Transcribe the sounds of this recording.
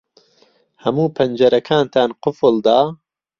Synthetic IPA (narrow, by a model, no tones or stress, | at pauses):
hɐmuːpʰɐnd͡ʒɐɾɐkʰaːnt̪ʰaːnqʊfɨld̪aː